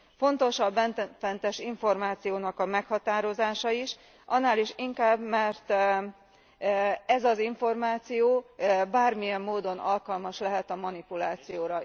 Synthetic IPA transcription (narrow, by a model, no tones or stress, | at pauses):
fo̞nt̪o̞ʃɒbɛnfɛnt̪ɛʃiɱfo̞rmaːt̪sijoːnɒkɒmɛkhɒt̪aːɾo̞zaːʃɒiʃ | ʔɒnːaːliʃiŋkaːbmɛrt̪ | ɛzɒziɱfo̞rmaːt̪sijoːbaːrmijɛmːoːd̪o̞nɒlkɒlmɒʃlɛɦɛt̪ɒmɒnipulaːt̪sijoːɾɒ